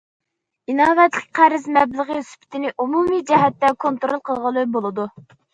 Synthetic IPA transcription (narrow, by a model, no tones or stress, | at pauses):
inɑːvɛt̪lɪk̚ʲqʰæɾɪzmɛbləʁəysy̥pʰɪ̥t̪ʰɪnɪʔumumid͡ʒɛɦɛt̪ːɛkʰont̪ɾolˠqʰəlˠʁəlˠɨbolˠɨd̪u